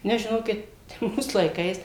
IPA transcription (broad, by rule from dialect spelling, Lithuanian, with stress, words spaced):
ˈnʲɛs ʒʲɪˈnoːkʲɪt ˈmuːs lˠɐɪˈkɐɪs